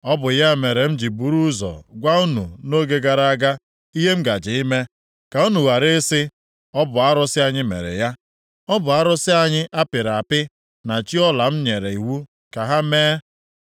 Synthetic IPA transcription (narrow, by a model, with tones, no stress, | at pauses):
ɔ˦bʊ˨ja˦˨me˨ɾe˨m̩˦d͡ʒi˨bu˨ɾu˦zɔ̰˨ɡʷa˦u˦nṵ˨no˦ɡe˦ɡa˨ɾa˦a˦ɡa˦ | i˦ɦe˦m̩˦ɡa˨d͡ʒɪ˨i˦me˦ | ka˨u˦nu˨wa˨ɾɪ˦sɪ˦ | ɔ˦bʊ˨a˦ɾʊ˦sɪ˦a˨ɲɪ˦mḛ˨ɾḛ˨ja˦ | ɔ˦bʊ˨a˦ɾʊ˦sɪ˦a˨ɲɪ˦ʔa˦pɪ˨ɾa˨a˨pɪ˦ | na˨t͡ʃi˦ɔ˦la˨m̩˦ɲe˨ɾe˨i˨ɦu˦ | ka˨ɦa˦meː˦